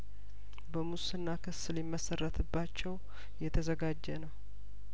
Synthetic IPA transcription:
bəmusɨnːakʰɨsɨlɪmːəsərːət̪ʰɨbːat͡ʃːɛw | jɛt̪ʰəzəɡad͡ʒːɛnəw

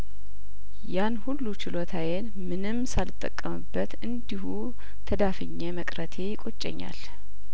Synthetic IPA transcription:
janhulːut͡ʃɪlot̪ʰawen | mɨnɨmsalɨt̪ʼːə̰kʼːəmɨbːət̪ɨnd̪ihu | t̪ʰəd̪afɨɲːeməkʼɾət̪ʰe̞jɪkʼo̞t͡ʃʼːɛ̰ɲːa̰l

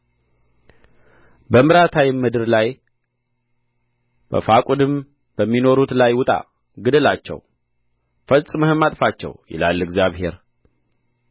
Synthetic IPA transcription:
bəmɨɾat̪ʰawimɨd̪ɨɾlaj | b̥ə̰fakʷʼud̪ɨm | b̥əmːino̞ɾut̪lajwʊt̪ʼa̰ | ɡɨd̪ɨlat͡ʃːɛ̰w | fəlsʼɨməhɨmat̪ʼfat͡ʃːɛ̰wjɪ̰la̰lɨɡzjaβhe̞̰ɾ

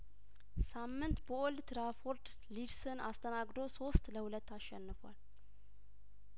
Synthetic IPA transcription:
samːɨnt̪bəʔɔld̪ɾafoɾt̪ | liɾsɨnast̪ʰənaɡd̪o̞so̞st̪ləhulət̪ːaʃːɛnːɨfal

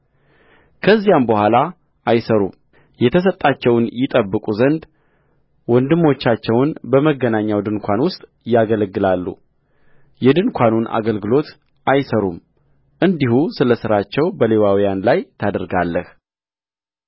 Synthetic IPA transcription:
kʰəzːijambəhʷala | ajsəɾṵm | jɛt̪ʰəs̬ət̪ʼːat͡ʃːɛwnjɪt̪ʼəbːɨkʼuzənd̪ | wɔnd̪ɨmːo̞t͡ʃːat͡ʃːɛwnbəməɡənaɲːawd̪ɨnkʷʰanwʊst̪ʼ | jaɡələɡːɨlalːṵ | jɛd̪ɨnkʷʰanunʔa̰ɡəlɡɨlo̞t̪ | ʔajsəɾum | ʔɨnd̪ihusɨləsɨɾat͡ʃːɛwbəle̞wawijanlajt̪ʰad̪əɾɡalːəh

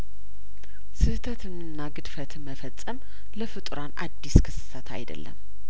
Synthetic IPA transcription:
sɨht̪ʰət̪ɨnɨnːaɡɨd̪fət̪məfət͡sʼːəm | ləfɨt̪ʼɾanʔa̰d̪ːiskʰɨsɨ̥sət̪ʰa̰jd̪ə̰lːə̰m

